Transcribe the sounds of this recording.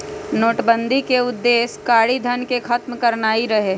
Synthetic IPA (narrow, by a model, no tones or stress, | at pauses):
noːʈbə̃nd̪ʱikeʊd̪ːeːskaːɽid̪ʱɐnkekʰɐt̪mkɐɾnaːiɾɐɦeː